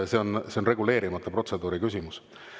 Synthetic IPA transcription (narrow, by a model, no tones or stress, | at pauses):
se̞o̞nse̞o̞nre̞ɡule̞ːɾimɑt̪ːˑɑpro̞t̪se̞d̪uːɾikys̬ʲimus